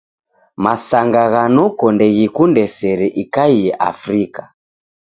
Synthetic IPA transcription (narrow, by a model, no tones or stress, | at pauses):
masaŋɡaɣanɔkɔndɛɣikundɛsɛɾɛʔikaiɛʔa̰fɾika